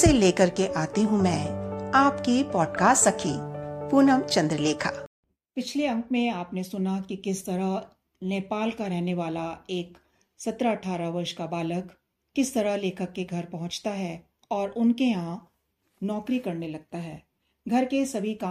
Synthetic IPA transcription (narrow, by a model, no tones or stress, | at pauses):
seleːkɐɾkeʔaːt̪eɦũmɛ̃ːaːpkipɔːɖkaːstsɐkʰiːpuːnəmt͡ʃɐ̃nd̪ɾəleːkʰaː | pɪt͡ʃʰleɐ̃ŋkmẽaːpnesʊnakikɪst̪ɐɾaɦ | neːpaːlkaɾɛɦneʋaːlaeːk | sɐt̪ɾaɐʈʰaːɾaʋɐɾʃkabaːləkː | ɪst̪ɐɾaleːkʰəkːeɡʱɐɾpɐɦʊ̃t͡ʃt̪aɦɛː | ɔːɾʔʊnkeãː | nɔːkɾikɐɾnelɐɡ̚t̪aɦɛː | ɡʱɐɾkesɐbʱikaː